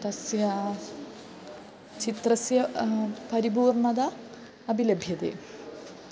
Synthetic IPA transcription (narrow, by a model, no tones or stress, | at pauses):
t̪ɐsjɐ | t͡ʃit̪rɐsjɐpɐɾibuːrɳɐd̪ɐː | bʱilɐbʱjɐd̪ḛː